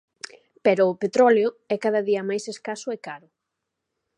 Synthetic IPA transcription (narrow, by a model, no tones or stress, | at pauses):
pɛɾʊːpet̪ɾɔljoɛkaðaðiɐmajseskasʊekaɾʊ